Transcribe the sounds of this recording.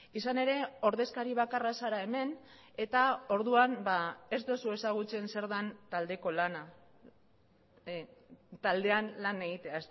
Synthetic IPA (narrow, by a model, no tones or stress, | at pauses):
isane̞ɾe̞o̞ɾðe̞skaɾiβ̞akarasaɾae̞me̞n | e̞t̪ao̞ɾðuanbae̞zd̪osue̞saɣ̞ut͡se̞nse̞ɾðant̪ald̪e̞ko̞lana | t̪ald̪e̞anlane̞ɣit̪e̞aes